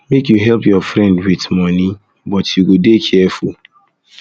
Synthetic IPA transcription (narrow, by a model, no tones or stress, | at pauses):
mekjuɦɛlpjɔfɹɛ̃ndwitmɔni | bɔtjuɡodekʰɛfṵl